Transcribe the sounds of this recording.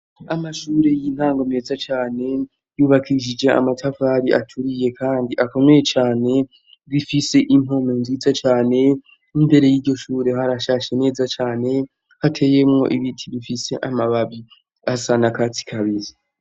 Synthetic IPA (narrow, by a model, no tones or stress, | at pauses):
amaʃuːɾe̞jin̥haːŋɡo̞me̞ːzat͡ʃaːne̞ | juːβakʰiʃ̬id͡ʒe̞a̰matʰavaːɾiʔatʰuɾije̞kʰaːndiʔako̞me̞je̞t͡ʃaːne̞ | βifise̞ʔim̥o̞monzit͡sat͡ʃaːne̞ | imbe̞ɾejiːɾɟo̞ʃuːɾe̞haɾaʃaːʃe̞ne̞ːzat͡ʃaːne̞ | hatʰe̞je̞mŋo̞̰ʔiβitʰiβifise̞ʔamaβaβi | asanakat͡si̥kʰaβiɾi